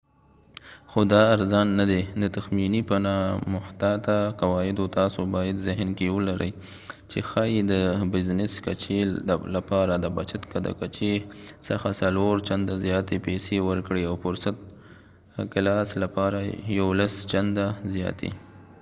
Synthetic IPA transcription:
xod̪ɑːɾzɑnːad̪ed̪ət̪axminipənɑmʊht̪at̪aqawɑjɪd̪ot̪ɑsobɑjad̪zɪhnkewəlaɾəj | t͡ʃexɑjid̪əbɪznɪskat͡ʃelapɑɾad̪əbat͡ʃat̪kad̪a̰kat͡ʃesəxasaloɾt͡ʃand̪azjɑt̪epesewəɾkɽeawfʊɾsat̪̚ | kɪlɑslapɑɾajawlast͡ʃand̪azjɑ̰t̪ḛ

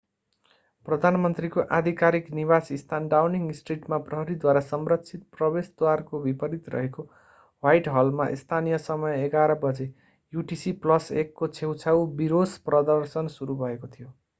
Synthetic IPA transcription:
prʌd̪ʱanmʌnt̪rikoʔad̪ʱikaɾikniβasist̪ʰanɖawniŋɡisʈriʈmaprʌɦʌɾid̪waɾasʌmrʌkt͡sʰit̪̚prʌbesd̪warkobipʌɾit̪rʌ̰ɦeko | wajʈɦʌlma̰ʔḭst̪ʰanijʌsʌmʌjeɡaɾʌbʌd͡ze | juʈisiplʌsekːot͡sʰewt͡sʰawbiɾosprʌd̪ʌrsʌnsuɾubʱʌekot̪ʰijo

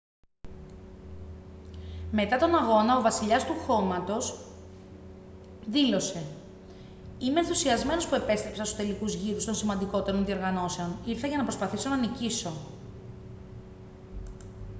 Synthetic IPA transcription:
me̞t̪ɐt̪o̞nɐɣo̞nɐo̞vɐsiʎɐst̪uxo̞mɐt̪o̞s | ðilo̞se̞ | imenθusiɐzme̞no̞spue̞pe̞st̪ɾepsɐnsu̥t̪e̞likuzʝiɾust̪o̞nsimɐnd̪iko̞t̪e̞ɾo̞nðio̞ɾɣɐno̞se̞oniɾθɐʝɐnɐpɾo̞spɐθiso̞nɐniciso̞

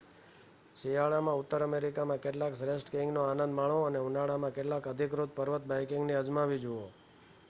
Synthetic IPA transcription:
ʃijaɭamãʊt̪ːəɾəmeɾikamãkeʈlaksɾesʈkẽŋɡnoanə̃nd̪maɭoəneunaɭamãkeʈlakəd̪ʱikɾut̪̚pəɾʋət̪̚bajkɪŋɡniəd͡ʒmaʋid͡ʒuo

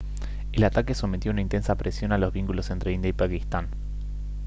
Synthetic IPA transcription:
elat̪ake̞so̞met̪jounaint̪e̞nsapɾʔesjo̞nalo̞zβiŋkulo̞se̞nt̪ɾeind̪jaipakist̪an

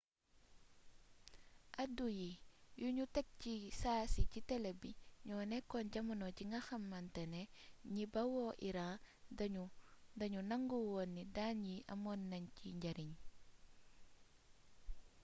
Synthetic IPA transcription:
ʔɐdujijuɲutɛk̚cisaːsicitɛlebiɲɔːnɛkːɔnɟɐmɐnɔciŋɡɐxɐmːɐntɛnɛɲibɐwɔʔiɾadudɐɲunɐŋɡuwonːidaːnjiʔɐ̰mɔnːɐɲciɲɟɐɾiɲ

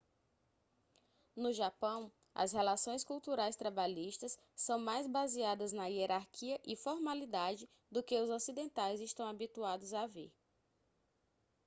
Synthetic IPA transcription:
nʊʒapɐ̃w̃ | ɐ̰shelasõj̃skuwt̪uɾajst̪ɾabaʎiʃt̪ɐsːɐ̃w̃majzbaziad̪ɐznɐieɾaɾkʰiɐʔɪfɔɾmalid̪ad͡ʒɪ | d̪ʊkɪʊzosid̪ẽnt̪ajzɪʃt̪ɐ̃w̃abit̪uad̪ʊzavḛɾ

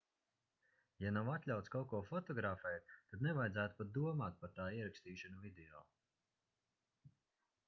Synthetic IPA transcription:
janawat̪ʲlʲawt̪skawkɔɔfɔt̪ɔɡɾaːfɛjt̪ad̪nɛvajd̪zæːt̪u̥pat̪̚d̪uɔmaːt̪̚paɾt̪aːiɛɾakst̪iːʃanuvid̪ɛɔ̰ː

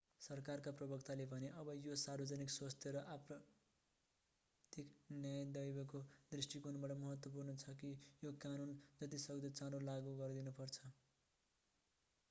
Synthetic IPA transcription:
sʌrkarkaprʌbʌkt̪alebʱʌneʔʌbʌjosarbʌd͡zʌnikswast̪ʰjʌɾʌʔaprʌ | t̪iknjajd̪ʌjbʌkod̪risʈikunbaʈʌmʌɦʌt̪wʌp̬urnʌt͡sʰʌkijokanund͡zʌt̪̬isʌɡd̪ʌt͡sãɾolaɡuɡʌrd̪inupʌrt͡sʰʌ

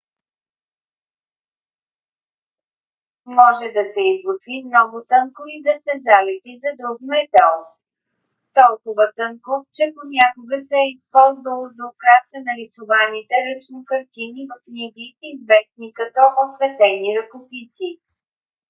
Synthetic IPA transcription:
mɔʒɛd̪ɐsɛizɡot̪vimnɔɡʊt̪ɤŋkoid̪ɐsɛzalɛt̪izɐd̪ɾuɡnɛd̪ɛlˠ | t̪ɔlˠkovət̪əŋkoft͡ʃɛponʲakʊɡəsɛːispɔlˠzvəlˠozɐokɾasənɐlisʊvanit̪ɛɾət͡ʃnikəɾt̪ʲinivɐknʲiɡʲiːzvɛsnikɐt̪ɔʔosvɛt̪ɛniɾəkopisi

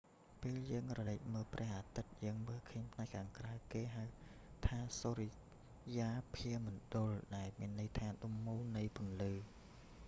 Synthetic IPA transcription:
peːljəːŋrɔləːk̚məːlprɛ̆əhʔaːt̪ɨt̪̚jəːŋməːlkʰəːɲpʰnaɛkʰːaːŋkrawkeːɦawt̪ʰaːsoːri | jaːpʰiəmɔnɗʊ̆lɗaɛlmiənːɨjt̪ʰaːɗumːuːlnɨjpŭənlɨː

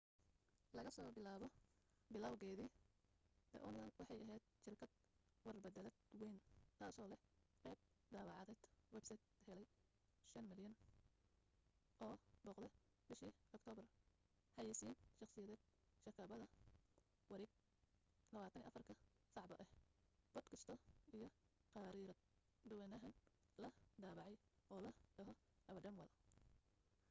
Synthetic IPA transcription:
lɐɣɐsɔːbɪlaːβɔ | bɪlɐwɣɛːði | d̪ɛ̰ʔʊnkɐnwɑħɑjɐɦɛjd̪̥ʃɪrkʰɐd̪̥̚ | wɐrrbɐd̪ɛlɛd̪wɛjnt̪ʰaːsɔːlɛhqɛːb̚ | d̪aːβɑʕɑðɛːd̪̥wɛbsɐjd̪hɛlɛj | ʃɐnmɪljɐn | ʔɔːbɔːqd̪ɛ | bɪʃiɔk̚t̪ʰɔːbɐr | ħɑjɛsiːnʃɑqsɪjɐðɛːd̪̥̚ | ʃɐkʰɐβɐðɐ | wɑɾɛːɡ̚ | lɐβaːt̪ʰɐnij̰ʔɐ̰fɐrkʰɐ | sɑʕbɐʔɛhbɔd̪kʰɐst̪ʰɔijɞ | qɑɾiɾɐd̪ | d̪ʊwɛnɐɦɐn | lɐd̪aːβɑʕɑjʔɔːlɐɖɐɦɔ | ɐβɐɖɐmwɐðɐ

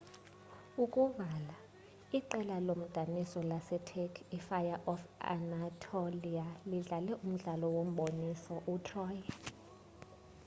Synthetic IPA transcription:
ukʼuvala | iǃɛlalom̩d̥ʱanisɔlasɛtʰekʰifajaʔɔfa̰natʰolialiɮalɛʔum̩ɮalɔwom̩ɓonisɔʔutʰrɔːj

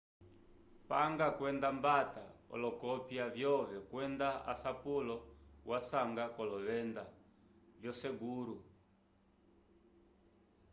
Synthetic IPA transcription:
paŋɡakwɛndambataɔ̰lɔkɔpjavjɔvɛkwɛndaa̰sapulɔwasaŋɡakɔlɔβɛnda | vjɔsɛɡuɾu

